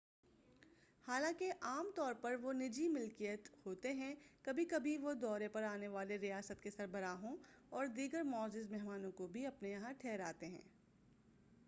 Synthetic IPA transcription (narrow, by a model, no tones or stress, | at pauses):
haːlãːkeʔaːmt̪ɔːɾpɐɾʋonɪd͡ʒimɪlkijət̪hoːt̪eɦɛ̃kɐbʱikɐbʱiʋod̪ɔːɾepɐɾaːneʋaːleɾijaːsət̪kesɐɾbəɾaːɦõ | ɔːɾd̪iːɡəɾmɔːzɪzmɛɦmaːnõkobʱiɐpnejɐɦãʈʰɛːɾa̰ːt̪eɦɛ̰̃ː